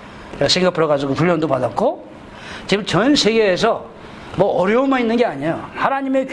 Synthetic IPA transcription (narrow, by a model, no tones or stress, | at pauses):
esʰe̞ŋɡapʰɯɾʌɡad͡ʑuɡopuɭːʌndopadat̚k͈o | t͡ɕimt͡ɕʌnsʰe̞ɡe̞ːsʰʌ | mwʌʌɾjʌomainːɯnɡe̞aɲejohanaɲime̞k